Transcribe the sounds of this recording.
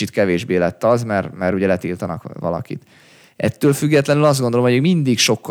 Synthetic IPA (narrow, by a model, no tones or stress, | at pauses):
it̪kɛveːʒbeːlɛt̪ːɒzmɛrmɛɾuɟɛlɛt̪ilt̪ɒnɒkʋɒ̰lɒ̰kḭt̪ | ʔɛt̪ːøːlfyɡːɛt̪lɛnylɒzd̪ɡond̪o̞lomɦojøkmind̪ikʃo̞kː